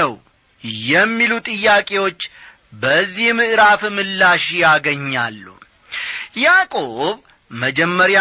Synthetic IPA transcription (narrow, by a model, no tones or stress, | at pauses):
əw | jɛmːilut̪ʼɨjːakʼe̞wo̞t͡ʃː | bəzːihmɨʔɾafmɨlːaʃjaɡəɲːa̰lːṵ | jakʼo̞β | məd͡ʒɛmːəɾja